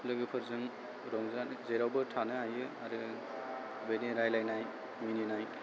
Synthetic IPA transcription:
lɯɡɯpʰɯɾzɯŋ | ɾɔŋzanzeɾawbɯtʰanɯɦajɯaɾɯ | beniɾajlajnaj | mininaj

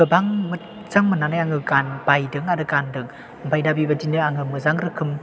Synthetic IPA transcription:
ɯbaŋmɯ | zaŋmɯnanajaŋɯkanbajdɯŋaɾɯkandɯŋ | bajdabibadinɯaŋɯmɯzaŋɾɯkʰɯm

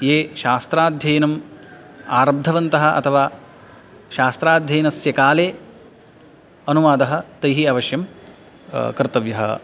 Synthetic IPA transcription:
jeːʃaːst̪ɾaːd̪ʱjɐjnɐm | aːɾɐb̚d̪ʱɐʋɐnt̪ɐɦɐ̆ʔɐ̰t̪ʰɐʋaː | ʃaːst̪ɾaːd̪ʱjɐjnɐsjɐkaːleː | ɐnuʋaːd̪ɐɦɐ̆t̪ɐjɦiaːʋɐʃjɐm | kɾt̪ɐʋjɐɦɐ̰

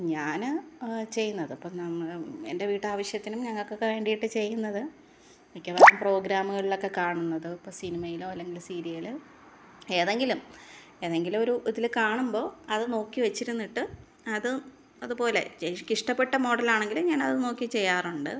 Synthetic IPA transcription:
ɲaːnt͡ɕe̞jːunːɐðɨɐpːonɐme̞̰nde̞ʋiːʈːaːʋɐɕjɐt̪ːinumɲɐŋːɐɭko̞kːeʋe̞ːɳɖijiʈːɨt͡ɕe̞jːunːɐðɨ | ikʲːeʋɐɾɐmpro̞ːɡɾaːmuɣɐɭiɭo̞kːe̞kaːɳunːɐðɨpːosinimɐjiloːɐlːe̞ŋɡilsiːɾiilɨ | e̞ːðe̞ŋɡilum | e̞ːðe̞ŋɡilmo̞ɾuʔuðilkaːɳumbo̞ːɐðɨno̞ːkːiʋet͡ɕːiɾunːiʈːɨ | ɐðɨ | ɐðupo̞ːle̞̰t͡ɕkiʂʈɐpːe̞ʈːɐmo̞ːɽɐlaːɳe̞ŋɡilumɲaːnɐðɨno̞ːkːit͡ɕe̞jːaːruɳɖɨ̰

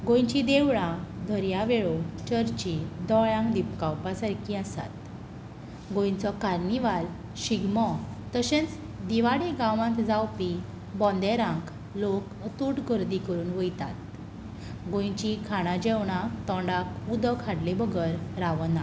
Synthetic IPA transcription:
ɡõjt͡ɕid̪eʋɽãd̪ʱəɾjaʋeɭot͡ɕəɾt͡ɕĩd̪ɔɭjãŋkd̪ipkãwpasaɾkʰiasa̰t̪̚ | ɡõjt͡sɔkaɾniʋal | ɕiɡmɔ | t̪əɕẽt͡s | d̪iʋaɽiɡãʋãnt̪d͡zawpi | bɔ̃nd̪ɛɾãŋk | lok | ət̪uʈɡʱəɾd̪ikəɾuːnʋəjt̪at̪̚ | ɡõjt͡ɕikʰaɽ̃ãd͡ʑɛwɽ̃ãt̪ɔ̃ɳɖakud̪əkʰaɽlebəɡəɾɾaʋəna

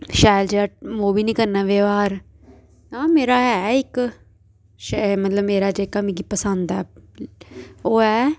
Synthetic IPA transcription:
ʃaːjld͡ʒeːaːmoːbiːnĩːkəɾnaːʋeːʋaːɾ | ãːmeːɾaːɛːɪk | ʃmət̪ləbmeːɾaːd͡ʒeːkːamĩːkipəsənd̪ɛː | oːɛː

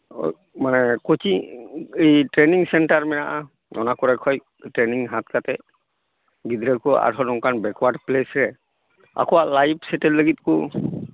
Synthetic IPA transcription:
manɛkɔjtiejtɹeniŋsɛnʈaɹmɛnaʔa | ɔnakɔɹakʰɔj | tɹeniŋɦat̪̚kat̪ɛ | ɡid̪ɾɛkɔa̰ɾʰʱɔnɔŋkanbɛkwaɖplesɹɛ | a̰kɔwalajbʰsɛtɛlːəɡit̪̚ku

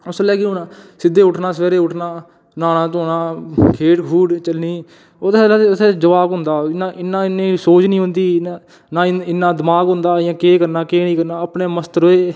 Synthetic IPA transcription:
məsəlɛːkɪɦʊːnãːsɪd̪ːeːʊʈʰnaːsəʋeːɾeːʊʈʰnaː | naːnãːt̪oːnãːkʰeːʈkʰuːɽt͡ʃəlniː | oːt̪ːʰeːd͡ʒəʋaːɡɦʊ̃nd̪aːnaɪnːãːɪnːẽːsoːt͡ʃnĩːɦʊ̃nd̪iː | nãːɪnːaːd̪ɪmaːkɦʊ̃nd̪aːjãːkeːkəɾnaːkeːnĩːkəɾnaːəpneːməst̪ɾoːeː

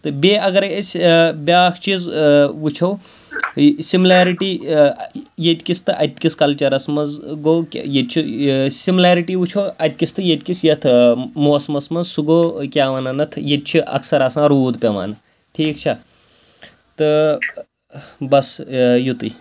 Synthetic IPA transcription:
t̪ɨbʲeɐɡɐɾesʲbʲjaːkʰt͡ʃizʋut͡ʃʰow | simlaːɾiʈi | jet̪ʲkist̪ɨʔɐt̪ʲkiskɐlt͡ʃɐɾɐsmɐzɡokʲjet̪̚t͡ʃʰisimlaːɾiʈiʋut͡ʃʰowɐt̪ʲkist̪ʰɨjet̪ʲkisjɐt̪ʰmoːsmɐsmɐzsuɡoːkʲaːʋɐnɐnɐt̪ʰjet̪̚t͡ʃʰiʔɐ̰ksɐɾasãːɾuːd̪pʲɐma̰ːnɐ | ʈʰiːk̚t͡ʃʰa | t̪ɨ | bɐsjut̪ɨ̰

